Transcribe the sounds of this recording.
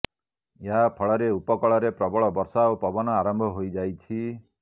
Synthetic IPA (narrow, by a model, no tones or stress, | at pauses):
eɦapʰɔɭɔɾeupɔkɔɭɔɾepɾɔbɔɭɔbɔɾsaopɔbɔnɔaɾɔmbʱɔɦojd͡ʒajt͡ʃʰi